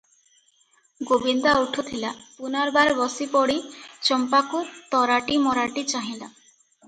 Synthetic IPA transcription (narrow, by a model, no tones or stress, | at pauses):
ɡobind̪auʈʰut̪ʰilapunaɾbaɾbɔsipɔɽit͡ʃɔmpakut̪ɔɾaʈimɔɾaʈit͡ʃaɦĩla